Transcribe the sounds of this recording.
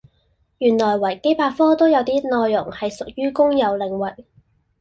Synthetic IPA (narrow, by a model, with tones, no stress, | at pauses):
jyː˨˩nlɔː˨˩jwɐ˨˩jke˥jpaː˧fɔː˥t̪o˥wjɐ˨˧wt̪iː˥nɔː˨˧jːʊ˨˩ŋhɐ˨jsʊ˨k̚jyː˥kʊ˥ŋjɐ˨˧wlɪ˨ŋwɐ˨k̚